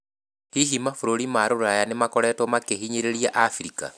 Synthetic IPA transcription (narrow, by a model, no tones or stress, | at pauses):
hiɦimafoɾoɾimaɾoɾoɾajanemakɔɾɛtwɔmakeɦiɲeɾeɾiaʔafiɾika̰